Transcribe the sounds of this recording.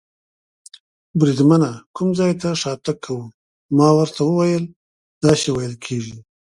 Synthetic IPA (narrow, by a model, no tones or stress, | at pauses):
bɾid̪manakumzɑjt̪aʂɑt̪akʰːawu | mɑwəɾt̪ʰawəwajəl | d̪ɑʃewajəlkʰeʒi